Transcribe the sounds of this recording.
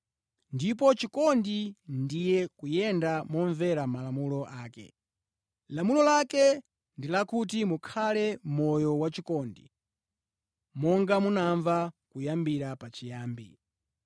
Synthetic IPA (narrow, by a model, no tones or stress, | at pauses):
ndip̬ɔt͡ʃikɔndindijɛkujɛndamɔɱvɛɾamalamulɔʔaːkɛ̰ | lamulɔlakɛ | ndilakutimukʰalɛmɔjɔwat͡ʃikɔndḭ | mɔŋɡamunaɱvakujambiɾapat͡ʃijaːmbḭ